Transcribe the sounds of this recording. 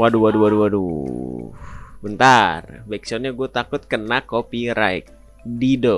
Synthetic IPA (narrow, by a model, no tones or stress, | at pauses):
waduwaduwaduwadṵ | bənt̪arbaik̚sɔnɲaɡuɛt̪akʊt̪̚kənakːopiɾaḭk̚ | didɔ